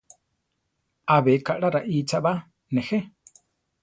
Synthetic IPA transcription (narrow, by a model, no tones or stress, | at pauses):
aβekaʔɽaɾaʔiːt͡ʃaʔβa | nɛxe